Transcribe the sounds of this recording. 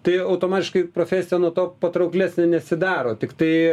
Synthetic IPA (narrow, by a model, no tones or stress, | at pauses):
t̪ɐɪɐʊt̪oːmɑːt̪ʲɪʃkɐɪpɾoːfʲæːsʲɪjɛnuɔt̪oːpɐt̪ɾɐʊklʲæːsʲnʲɛnʲɛsʲɪd̪ɑːɾoːt̪ʲɪkt̪ɐɪ